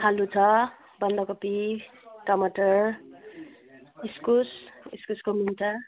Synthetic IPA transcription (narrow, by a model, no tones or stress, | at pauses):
ɦalut͡sʰʌ | bʌnd̪ʌkopi | kʌmʌʈʌr | iskusiskuskominta